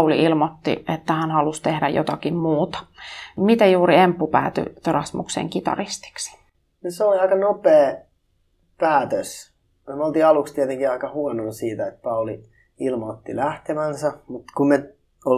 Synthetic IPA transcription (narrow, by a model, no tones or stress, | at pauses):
ulḭʔilmot̪ːḭʔet̪ːæhænhɑlust̪ehdæjo̰t̪ɑkimmuːt̪ɑ̥mit̪æjuːɾiempːupæ̰ːt̪y̰t̪erɑsmṵksḛŋkit̪ɑ̰rist̪i̥ksi̥ | noseoliɑikɑnopeː | pæːt̪øs | meolt̪iːɑlukst̪iet̪eŋkiɑikɑhuɔnonsiːt̪æet̪̚pɑuli | ilmot̪ːilæht̪emænsæmut̪kumme | o